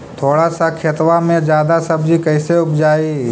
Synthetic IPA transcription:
t̪ʰoːɽasakʰet̪ʋamẽd͡ʒjaːd̪asɐbd͡ʒikɐɪseʊpʰd͡ʒaːi

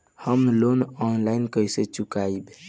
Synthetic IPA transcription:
həmlonɔnlajnkəjset͡ʃukaib

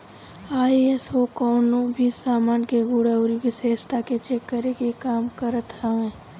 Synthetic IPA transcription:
aːiesokɔːnõbʱisaːmaːnkeɡuːɽaʊɾibɪseːʃt̪ʰaket͡ʃekːəɾeɡekaːmkəɾət̪ɦəʋẽː

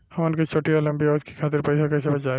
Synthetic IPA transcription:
hɐmʊnket͡ʃʰoːʈialɐ̃mbiɔːd̪ki̥kʰaːt̪̬ɪɾpɐɪsakɐɪsebɐt͡ʃaː

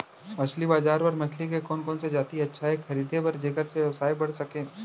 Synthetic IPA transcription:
mɐt͡ʃʰlibaːzaːɾpɐɾmɐt͡ʃʰlik̬ekɔːnkɔːnsed͡ʒaːt̪iɐtːʃʰaekxɐɾiːd̪ʱebɐɾd͡ʒekəɾseʋjɐʋsaːibɐɽsɐkẽː

